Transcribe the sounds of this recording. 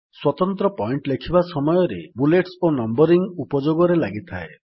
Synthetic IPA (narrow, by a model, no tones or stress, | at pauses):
swɔt̪ɔnt̪ɾɔpɔiɳʈlekʰibasɔmɔjɔɾḛbuleʈsonɔmbɔɾiŋupɔd͡ʒoɡɔɾelaɡit̪ʰae